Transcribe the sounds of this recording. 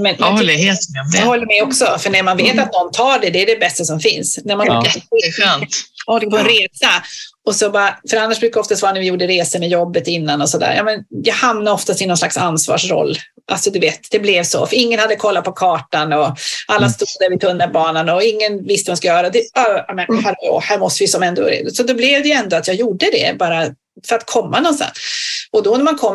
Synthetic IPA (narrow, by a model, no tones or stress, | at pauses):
mɛnɛ | d̪hɔlːəɾmɛɔksɔfœɳæɾmanveːt̪at̪̚nɔnːt̪ʰɑːɖɛd̪ɛæɖɛbɛst̪asɔmfɪnsnæɾmanɛɧøːnɔk̚pʰɔɛnɾeːsaɔsɔbɑːɾafœɾanːaʂbɾʉkːaɔft̪ast̪vɑːɾanɾvɪjuːɖəɾeːsəmɛjɔbːət̪ɪnːanɔsɔd̪æ̰ːɾjɑ̰ːmɛnjɑːɡhamnaɾɔft̪ast̪ɪnɔnslaksansvɑ̰ːʂɾɔ̰lː | ʔalsɔd̪ɵveːt̪d̪̥ɛblɛvsɔ̰fɾɪŋːənhad̪ːəkʰɔlːat̪pʰɔkʰɑːʈanɔalːast̪uːd̪d̪æɾvɪt̪ʰɵnːaɾbɑːnanɔɪŋːənvɪst̪əhɔnskajœːɾad̪ɛɑjamɛnhæɾo̰hæːɾmɔst̪əvɪjsɔmɛnd̪ɔɾ̰sɔd̪ɔblɛvd̪ɛjɛnd̪ɔat̪jɑːɡjuːɖəd̪ɛ̰bɑːɾa | fœɾat̪̚kʰɔmːanɔnst̪a̰nsɔd̪ɔnæmankʰɔm